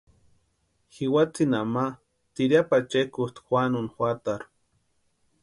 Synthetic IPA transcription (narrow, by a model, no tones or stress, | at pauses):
xiwat͡sinama | t̪iɾjapat͡ʃekut̪xʷanunxwat̪aɾ